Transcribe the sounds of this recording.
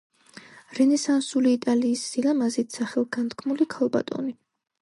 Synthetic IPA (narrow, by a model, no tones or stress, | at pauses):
ɾɛnɛsansuliːt̪ʼaliːsz̥ilamazit̪ʰsaχɛlˠɡant̪kʰmulikʰalˠba̰t̪ʼɔ̰ni